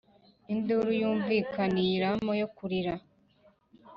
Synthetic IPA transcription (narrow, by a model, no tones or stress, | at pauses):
induɾujuːɱviːkaniɾamojokuɾiɾa